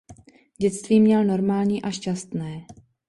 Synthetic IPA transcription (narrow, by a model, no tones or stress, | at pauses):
ɟɛt͡st̪viːmɲɛlno̞ɾmaːlɲiːʔaʃcast̪nɛː